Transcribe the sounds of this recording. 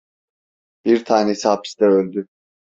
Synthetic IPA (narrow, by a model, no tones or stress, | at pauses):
b̥iɾt̪ʰaːnɛishaːpʰi̥st̪ɛølʲd̪y